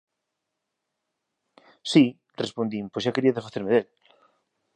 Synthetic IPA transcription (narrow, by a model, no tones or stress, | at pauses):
si | respond̪imposakeɾiaðesfaθeɾmeðel